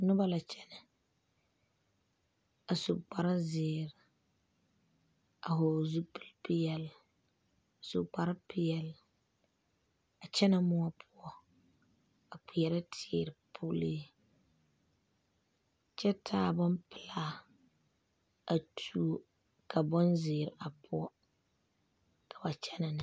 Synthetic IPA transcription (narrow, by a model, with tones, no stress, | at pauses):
nʊ˦ba˦la˨t͡ʃɛ˦nɨ˨ | a˨sʊ˨k͡pa˨ɾa˦zɪ˨ɾɪ˨ | a˨ɦo˨zu˦pɨ˦lpɪ˦jɛ˨l | a˨sʊ˨k͡pa˨ɾɨ˦pɪ˦jɛ˨l | a˨t͡ʃɛ˦na˦mʊ˦a˦pʰʊ˦ɔ˦ | a˨k͡pi˨jɛ˨ɾa˦tʰɪ˨ɾpʰʊ˦leː˦˨ | t͡ʃɛ˦tʰaː˦˨bʊ˦mpɨ˨la˦ | a˨tʰu˨˦o˦ | kʰa˨bɔ˦nzɪː˨ɾɪ˨ʔa˨pʰʊ˦ɔ˦ | kʰa˨ba˨t͡ʃɛ˦na˨nɨ˨